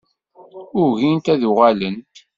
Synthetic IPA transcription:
ʊɾʝint̪æðuʁælənt

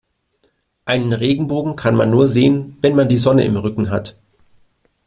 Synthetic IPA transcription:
ʔaɪnənʁeːɡŋ̩boːɡŋ̩kʰanma̰nːuːɐzeːənvɛnmandiːzɔnə̰ʔɪ̰mʁʏkŋ̩ɦa̰t

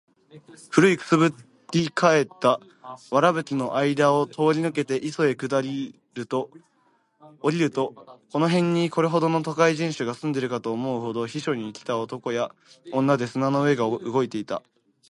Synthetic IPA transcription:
ɸɯ̟ɾɯ̟ikɯ̟̥sɨbɯ̟ | ikae̞t̪ːa | βaɾabɯ̟t͡sɨno̞ʔaid̪aot̪ʰo̞ːɾʲinɯ̟ke̞t̪e̞ʔiso̞e̞kɯ̟d̪aɾʲi | ɾɯ̟t̪o̞ | ɾʲiɾɯ̟t̪o̞ko̞no̞ɦẽ̞ɲ̟ːiko̞ɾe̞ɦo̞d̪o̞no̞t̪okaiʑĩɰ̃ɕɨɡasɨ̃nd̪e̞ɾɯ̟kat̪o̞ːmo̞ɯ̟ɦo̞d̪o̞çiɕo̞ɲ̟iːkʲi̥t̪ao̞t̪o̞ko̞ja | õ̞nːad̪e̞sɨnano̞ɯ̟e̞ɡaɯ̟ɡo̞it̪e̞it̪a̰

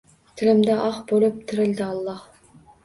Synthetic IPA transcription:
t̪ʰɪ̆lɘ̆md̪æʔɑχbolˠɤp̚t̪ʰɘ̆ɾɘ̆ld̪ɘɑlˠːɑh

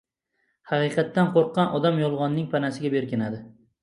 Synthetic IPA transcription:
hɑqɨqʰɑt̪ːanqʰoɾqʰːɑnʔɒd̪amjɒlˠʁɒnːɪŋpʰanasɪɡʲabe̞ɾkʲɪnad̪ɪ

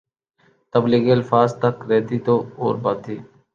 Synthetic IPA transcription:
t̪əbliːɡeːəlfaːzt̪əkɾɛːt̪iːt̪oːo̰ːɾbaːt̪iː

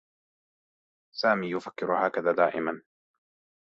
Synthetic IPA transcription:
saːmiːjʊfakːɪɾʊhaːkaðaːd̪aːʔɪ̰man

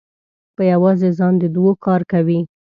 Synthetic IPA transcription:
pəjawɑzezɑnd̪əd̪wokɑɾkawi

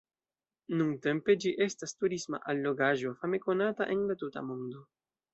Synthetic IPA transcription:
nuŋte̞mpe̞d͡ʒiʔe̞stastuɾisma̰ʔalːo̞ɡaʒo̞fame̞ko̞nata̰ʔe̞nlatuta̰mondo̞

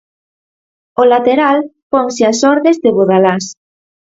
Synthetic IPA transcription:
olat̪eɾalpoŋsɪasɔɾðezðeβoðalas

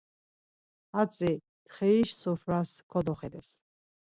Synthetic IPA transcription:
at͡s̪ʼi | t̪χɛiʃsɔfʰɾaskʰɔd̪ɔχɛd̪ɛs

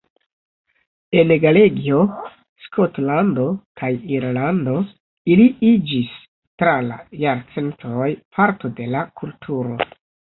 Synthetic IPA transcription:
e̞nɡaleɡio̞ | skʰotlando̞kʰajiɾlando̞ | iliid͡ʒis | tɾala̰jaɾt͡se̞ntojpʰaɾto̞de̞lakʰultʰuɾo̞

